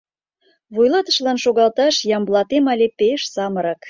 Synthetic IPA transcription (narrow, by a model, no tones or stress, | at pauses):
βujlɑt̪ə̥̆ʃlɑnʃoɣɑlt̪ɑʃjɑmblˠɑt̪emɑlʲepeʃsɑməɾɑk